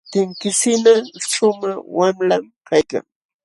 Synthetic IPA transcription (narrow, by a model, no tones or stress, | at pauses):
t̪ɪŋkɪsɪnaʃʊmaχwamlamkajka̰ŋ